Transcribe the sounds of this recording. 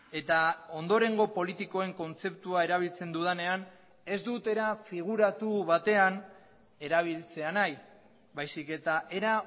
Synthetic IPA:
e̞t̪ao̞nd̪o̞ɾe̞ŋɡo̞po̞lit̪iko̞e̞ŋko̞nt͡se̞p̚t̪uae̞ɾaβ̞ilt͡se̞nd̪uð̞ane̞an | e̞zd̪ut̪e̞ɾafiɣ̞uɾat̪uβat̪e̞an | e̞ɾaβ̞ilt͡se̞anaj | βajsike̞t̪aʔe̞ɾa

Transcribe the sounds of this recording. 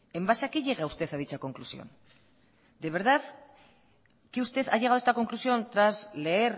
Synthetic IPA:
e̞mbaʃakiʎeɣaust̪e̞θaðit͡sako̞ŋklusio̞̰n | d̪eβe̞ɾðaθ | kiust̪e̞θaʎeɣaðe̞st̪ako̞ŋklusio̞nt̪ɾazle̞ːɾ

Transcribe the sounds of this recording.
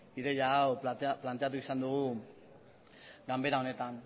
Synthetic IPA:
iɾejawplat̪iaplant̪iat̪̬ukisandu | ɡambɛdaunet̪an

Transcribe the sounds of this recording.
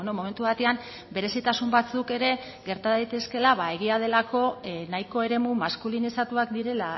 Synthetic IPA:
nomo̞me̞nt̪uβat̪e̞am | be̞ɾe̞sit̪asumbat͡suke̞ɾe̞ | ɡe̞ɾt̪aðajt̪e̞ske̞laβae̞ɣ̞iað̞e̞lako̞najko̞e̞ɾe̞mumaskulinisat̪uakd̪iɾe̞la

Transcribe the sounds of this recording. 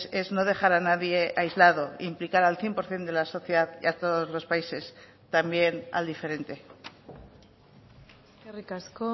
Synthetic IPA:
e̞zno̞ð̞e̞xaɾanaðje̞ʔajzlaðo̞implikaɾalθje̞mpo̞ɾθje̞nd̪e̞laso̞θjeðaðiat̪o̞ðo̞zlo̞spaise̞s | t̪ambje̞na̰ld̪ife̞ɾe̞nt̪e̞ | kerikasko

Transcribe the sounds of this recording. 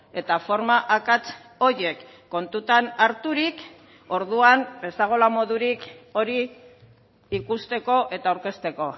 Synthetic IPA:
e̞t̪afo̞ɾmaʔakat͡s | o̞ɾje̞kː | o̞nt̪ut̪anaɾt̪uɾik | o̞ɾðuanbe̞saɣ̞o̞lamo̞ðuɾiko̞ɾi | kust̪e̞ko̞ʔe̞t̪aːwɾke̞st̪e̞ko̞

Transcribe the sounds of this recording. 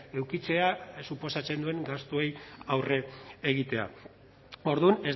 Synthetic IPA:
e̞wkit͡se̞asupo̞sat͡se̞nd̪ue̞ŋɡast̪uejawre̞ːɣ̞it̪e̞a̰ | o̞ɾðune̞z

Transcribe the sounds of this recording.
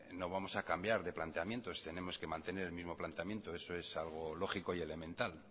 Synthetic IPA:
noβamo̞sakambjaɾðe̞plant̪e̞amje̞nt̪o̞st̪e̞ne̞mo̞ske̞mãnt̪e̞ne̞ɾe̞lmizmo̞plant̪eamje̞nt̪oe̞so̞e̞salɣ̞o̞lo̞χiko̞ie̞le̞mẽ̞nt̪al

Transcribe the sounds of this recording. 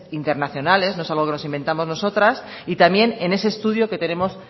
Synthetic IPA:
int̪e̞ɾnaθjo̞nale̞snoesalɣ̞o̞ke̞no̞simbe̞nt̪amo̞zno̞so̞t̪ɾas | it̪amje̞ne̞ne̞se̞ːst̪uðjo̞ke̞t̪e̞ne̞mo̞s

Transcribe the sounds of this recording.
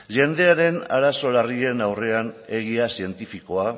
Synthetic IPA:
ʝe̞nd̪e̞aɾe̞na̰ɾaso̞larie̞nawre̞ane̞ɣ̞iasie̞nt̪ifiko̞a

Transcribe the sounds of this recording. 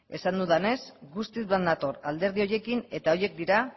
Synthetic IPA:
e̞sand̪uðane̞sɡust̪izβland̪at̪o̞ɾald̪e̞ɾð̞io̞je̞kine̞t̪ao̞je̞k̚d̪iɾa

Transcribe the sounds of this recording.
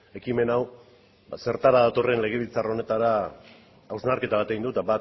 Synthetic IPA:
e̞kime̞naw | se̞ɾt̪aɾaðat̪o̞re̞nle̞ɣ̞e̞β̞ilt͡saro̞ne̞t̪aɾaː | wznaɾke̞t̪aβ̞at̪eind̪ut̪abat̪

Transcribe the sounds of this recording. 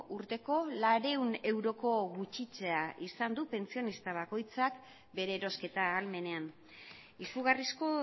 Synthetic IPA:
ʔuɾt̪e̞ko̞laɾe̞une̞wɾo̞ko̞ɣut͡ʃit͡se̞aʔisand̪upe̞nsio̞nist̪aβ̞ako̞jt͡sak | be̞ɾe̞ːɾo̞ske̞t̪aːlme̞ne̞an | isuɣarisko̞

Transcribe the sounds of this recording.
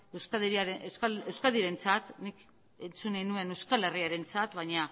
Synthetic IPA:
ewskaðeɾiaɾeskaewskaðiɾe̞nt͡sat̪nik | e̞nt͡sunajnue̞ne̞wskale̞riaɾe̞nt͡sat̪βajɲa

